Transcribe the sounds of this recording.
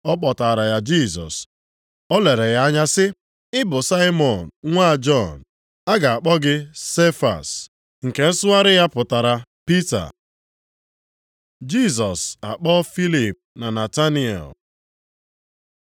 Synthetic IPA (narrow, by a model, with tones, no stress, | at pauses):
ɔ˦k͡pɔ˨ta˨ɾa˨ja˨d͡ʒi˦˨sɔ̰˨s | ɔ˦le˨ɾe˨ja˦a˦ɲa˦sɪ˦ | ɪ˦bʊ˨sa˦ɪ˦mɔ˨n̩˨ŋʷa˦˨d͡ʒɔ˦˨n | a˦ɡa˨a˨k͡pɔ˦ɡɪ˦se˦fa̰˨s | ŋ̩˨ke˨n̩˦sʊ˦a˦ɾɪ˦ja˦pʊ˨ta˨ɾa˨pi˦ta̰˨ | d͡ʒi˦˨s̬ɔ˨sa̰˨k͡pɔ˦fi˦li˨p̚na˨na˨ta˦ni˦ɛ̰˨l